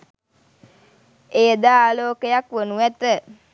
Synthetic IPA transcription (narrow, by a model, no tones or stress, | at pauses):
eːd̪aːaːloːkəjakʋənuæt̪ə